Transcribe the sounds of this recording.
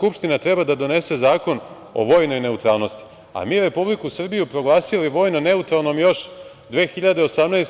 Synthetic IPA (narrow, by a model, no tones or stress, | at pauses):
kupʃt̪inat̪ɾe̞bad̪ad̪o̞ne̞se̞zaːko̞n | o̞̰ʋo̞ːjno̞jne̞ut̪ɾaːlˠno̞st̪i̥ | a̰miːɾe̞publikusr̩bijupɾo̞ɡlˠaːsiliʋo̞ːjno̞ne̞ut̪ɾalˠno̞mjo̞ʃ | d̪ʋe̞ːxiʎad̪eo̞samnajs